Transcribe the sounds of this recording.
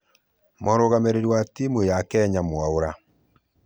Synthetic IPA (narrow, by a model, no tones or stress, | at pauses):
mɔɾoɣameɾeɾwatimojakɛɲamwaoɾa